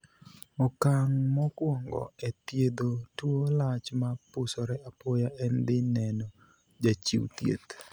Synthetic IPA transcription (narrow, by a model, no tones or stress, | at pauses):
ɔkaŋmɔkwɔŋɡɔ̰ɛt̪jed̪otwolat͡ʃmapʊsɔɾɛapojaɛnd̪ɪnɛno | d͡ʒat͡ʃḭwt̪jḛt̪